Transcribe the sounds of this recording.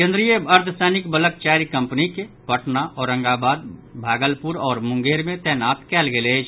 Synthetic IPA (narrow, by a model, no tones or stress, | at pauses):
kẽnd̪ɾijəəɾt̪ʰəsɛːnɪkbələk̚t͡ʃaːɾikə̃mpnikepəʈnaʔɔːɾːə̃ŋɡaːbaːd̪̚bʱaːɡəlpʊɾɔːɾmʊ̃ŋɡeːɾmẽt̪ɛːnaːt̪kɛːlɡeleːd͡ʒʰ